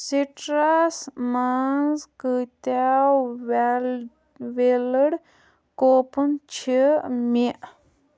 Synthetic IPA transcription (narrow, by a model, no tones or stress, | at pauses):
siʈɾasmanzkɨt̪aw | ʋeləɽ | koːpɨnt͡ʃʰimiʔ